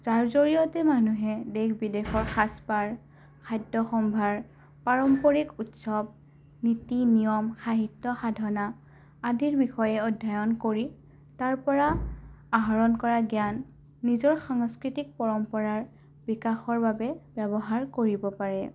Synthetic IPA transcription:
zaɹzoɹijɔtɛmanuɦɛdekbidexɔɹxʰaspaɹ | kʰajdːɔxɔmbʱaɹ | paɹɔmpɔɹikutsɔb̚ | nitinijɔmxaɦitːɔxadʱɔna | adʱiɹbixɔjɛɔdʱːajɔnkoɹi | taɹpɔɹaaɦaɹɔnkɔɹaɡjanː | izɔɹxaŋskɹitik̚pɔɹɔmpɔɹaɹ | bikaxɔɹbabɛbɛbɔɦaɹkoɹibɔpaɹɛ

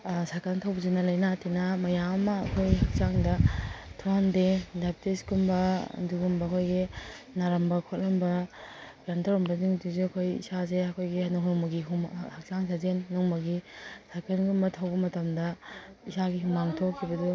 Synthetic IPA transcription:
sakʰantʰawbɐzenɐlɐjnatʰinɐmɐjamɐmɐːkʰojɦɐk̚t͡ʃaŋdɐtʰuandedap̚tisɡumbɐ̰duɡumbɐːkʰojɡi | naɾɐmbɐkʰot̚lɐmbɐɡɾantɐɾɔmbɐziŋduzuɐkʰojḭsazeɐkʰojɡihanɐɦumuɡiɦumhak̚t͡ʃaŋsazenːɔŋmɐɡisakʰanɡumbɐtʰawbɐmɐtɐmdɐ | isaɡiɦumaŋtʰokʰːibɐdu

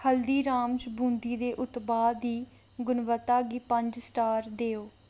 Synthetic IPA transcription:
həld̪iːɾãːmd͡ʒbũːnd̪iːd̪eːʔʊt̪baːd̪iː | ɡʊnʋət̪ːaːɡiːpəɲd͡ʒsʈaːɾd̪eːoː

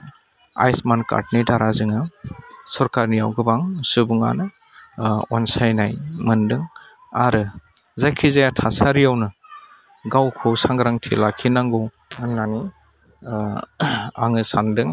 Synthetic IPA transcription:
a̰jsmanka̰ɾt̚nidaɾazɯŋasɔɾkaɾnijawɡɯbaŋsɯbɯŋa̰nɯ | ɔnsajnajmɯndɯŋ | aɾɯzajkʰizajatʰasaɾijawnɯ | ɡawkʰɔsaŋɡɾaŋtʰilakʰinaŋɡɔw | ɯŋnani | a̰ŋɯsandɯŋ

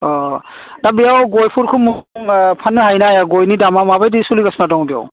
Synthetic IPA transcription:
ɔdabijawɡɔjpʰuɾkʰumuŋpʰanːɯɦajnajaɡɔjnidamamabajdisuliɡasmadɔŋdijɔ̰w

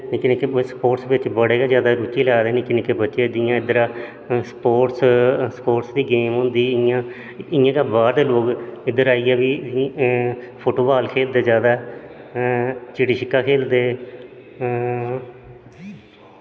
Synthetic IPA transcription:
nːkɪnẽːkespoːʈsʋɪt͡ʃbəɽeːɡaːd͡ʒjaːd̪aːɾuːtiːlaːd̪eːniːkɪnẽːkebətːʃeːd̪ɪjãːɪd̪əɾaː | spoːʈsspoːʈsd̪iːɡeːmɦʊ̃ːnd̪iːɪjãː | ɪjãːkaːbaːɾd̪eːloːkɪd̪əɾaːiːɛːʋiː | pʰoːʈoːbaːlkʰeːld̪eːd͡ʒjaːd̪aːɛ | t͡ʃɪɽiːʃɪkːaːkʰeːld̪eː

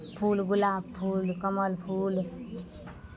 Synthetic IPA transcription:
pʰulɡulaːbpʰulkʌmʌlpʰul

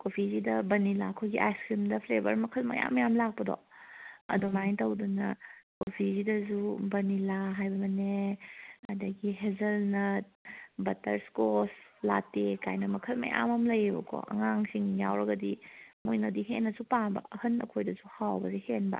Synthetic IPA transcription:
kopʰizidɐbɐnilakʰojɡiʔajskɾimdɐpʰlebɐɾmɐkʰɐlmɐ̰ja̰mɐjamlak̚pɐdɔ̰ɐ̰dumajntɐwdunɐkopʰizidɐzubɐnilaɦajbɐmɐne | ɐ̰dɐɡiɦezɐlnɐt̚bɐtɐɾskoslatekajnɐmɐkʰɐlmɐ̰ja̰mamlɐjibɐ̰kʰɔ̰ʔɐ̰ŋaŋsiŋjawɾɐɡɐdimojnɐdiɦenːɐzupaŋbɐ̰ɐhɐnɐ̰kʰojdɐzuhawbɐzihenbɐ̰

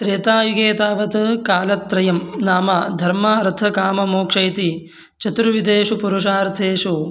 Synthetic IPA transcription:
t̪ɾeːt̪aːjuɡeːt̪aːʋɐt̪ɐkaːlɐt̪ːɾɐjɐmnaːmaːd̪ʱɐɾmaːɾt̪ʰɐkaːmɐmoːkʂɐjt̪i | t͡ʃɐt̪ɾuʋid̪eːʂupuɾuʂaːɾt̪ʰeːʂu

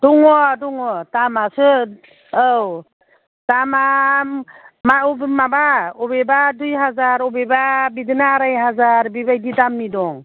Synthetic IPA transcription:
d̥ɔŋɔdɔŋɔtamasɯː | w | tamamːabmabaɔbebadujɦazaɾɔbebabidɯnaːɾajɦazaɾbibajdidamːidɔŋ

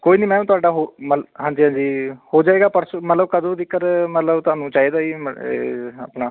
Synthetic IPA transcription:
koːiːnĩːmɛ̃ːũːt̪ʊaːɖaːɦoːmɦãːɲd͡ʒiːɦãːɲd͡ʒiːhoːd͡ʒaːeːɡaːpəɾsmət̪ləbkəd̪õːd̪ɪkːəɾmət̪ləbt̪ʊaːnũːt͡ʃaːid̪aːiːḛːa̰pɳaː

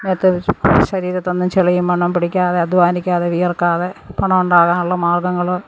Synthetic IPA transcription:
meːt̪ːɨɕɐɾiːɾɐt̪ːonːɨmt͡ɕeɭɐjumpɐɳːɐmpiɽikʲːaːðeɐd̪ʋaːnikʲːaːðeʋijɐrkaːðepɐɳɐmuɳɖaːɣaːnuɭːɐmaːrɡɐŋːɐɭo

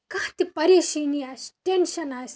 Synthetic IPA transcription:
kaːt̪ipɐɾeːsiːnijasʈenʃɐnaːs

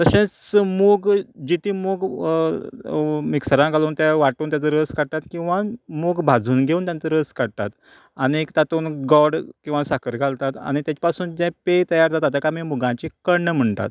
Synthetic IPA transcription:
t̪əɕẽt͡smoɡd͡ʑit̪ʰiːmoɡ | miksəɾãkaluːnt̪ɛ̃ʋaʈuːnt̪jat͡səɾəskəɽt̪at̪kĩw̃ʋamoɡbʱad͡zuːnɡʱeuːnt̪jant͡səɾəskəɽt̪a̰t̪ | aɽ̃it̪at̪uːnɡɔɽkĩw̃ʋasakəɾɡʰʱalt̪at̪a̰ɽ̃it̪jat͡ɕi̥pasuːnd͡ʑɛ̃pet̪əjaɾd͡z̪at̪at̪akamiːmuɡãɲt͡ɕikəɳːəm̤əɳt̪a̰t̪

